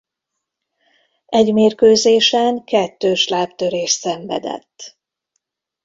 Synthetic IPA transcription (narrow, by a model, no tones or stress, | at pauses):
ɛɟmeːrkøːzeːʃɛŋkɛt̪ːøːʃlaːpt̪øɾeːʃsɛɱvɛ̰d̪ɛ̰t̪ː